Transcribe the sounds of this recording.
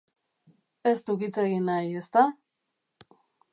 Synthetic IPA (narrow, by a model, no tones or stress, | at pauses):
e̞st̪ukit͡se̞ɣinaje̞st̪a